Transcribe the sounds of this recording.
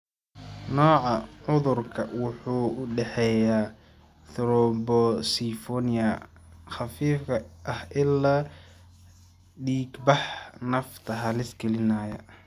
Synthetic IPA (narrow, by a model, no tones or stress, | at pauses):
nɔːʕɑʕʊðʊrkʰɐwʊħuːʊɖɛħɛjaː | θɪɾɔbɔsifɔnɪjɐ | xɑfiːfkɐʔɐhʔɪlːaː | ɖiːɡbɑħnɐft̪ʰɐɦɐlɪsɡɛlɪnaːjɐ̰